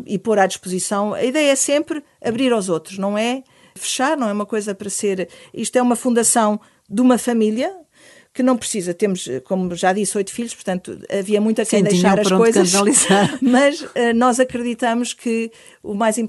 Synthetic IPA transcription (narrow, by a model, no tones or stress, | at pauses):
ḭpoɾaðiʃpuzisɐ̃w̃ɐ̰iðɛjɐɛsẽmpɾ | ɐβɾiɾawzot̪ɾuʃnɐ̃w̃ɛ | fɨ̥ʃaɾnɐ̃w̃ɛumɐkojzɐpɐɾɐseɾiʃt̪wɛumɐfũnd̪ɐsɐ̃w̃ | d̪umɐfɐmilˠjɐ | kɨnɐ̃w̃pɾsizɐt̪emuʃkomuʒaðisojt̪u̥fiʎuʃpuɾt̪ɐ̃nt̪ṵɐ̰viɐmũj̃t̪ɐkɐ̃d̪ðjʃaɾɐʃʃɾ̃kojzɐnɐlˠizaɾmɐʃɛnɔzɐkɾɨðit̪ɐmuʃkʰɨ | umajzĩm